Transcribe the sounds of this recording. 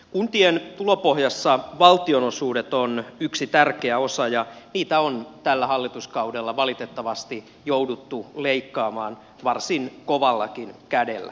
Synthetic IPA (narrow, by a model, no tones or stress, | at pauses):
kunt̪ient̪ulopohjɑsːɑʋɑlt̪ionosuːdet̪onyksit̪ærkeæosɑjɑniːt̪æont̪ælːæhɑlːit̪uskɑudelːɑʋɑlit̪et̪ːɑʋɑst̪i | joudut̪ːuleikːɑːmɑːn | ʋɑrsinkoʋɑlːɑkinkædḛlːæ̰